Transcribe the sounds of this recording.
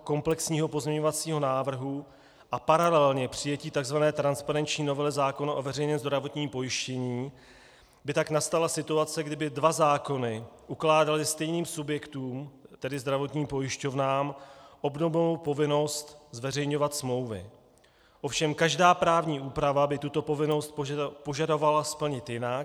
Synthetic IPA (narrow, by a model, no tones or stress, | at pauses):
ko̞mplɛksɲiːɦo̞po̞zɲɛɲo̞vat͡siːɦo̞naːvr̩ɦu | ʔapaɾalɛlɲɛpr̥ɪjɛciːt̪aɡzvanɛːt̪ɾanspaɾɛnt͡ʃɲiːno̞vɛlɛzaːko̞naʔovɛrɛjɲɛnzd̪ɾavo̞t̪ɲiːmpo̞jɪʃcɛɲiː | bɪt̪aknast̪alasɪt̪uat͡sɛɡdɪbɪdvazaːko̞nɪʔuklaːdalɪst̪ɛjniːmsubjɛkt̪uːmt̪ɛdɪzd̪ɾavo̞t̪ɲiːmpo̞jɪʃco̞vnaːmʔo̞bnovnowpo̞vɪno̞st̪zvɛrɛjɲo̞vat̪smlo̞wvɪ̰ | ʔo̞fʃɛmkaʒdaːpɾaːvɲiːʔuːpɾavabɪt̪ut̪o̞po̞vɪno̞st̪̚po̞ʒado̞valaspl̩ɲɪt̪jɪnak